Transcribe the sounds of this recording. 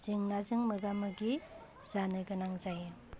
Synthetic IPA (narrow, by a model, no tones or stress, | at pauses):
z̥ɯŋnazɯŋmɯɡamɯɡi | z̥anɯjɡɯnaŋzajɯ